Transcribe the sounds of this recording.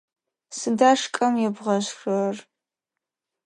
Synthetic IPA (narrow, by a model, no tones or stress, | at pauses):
sɨdaːʂkʼɐmjɛbʁɐɕxɨr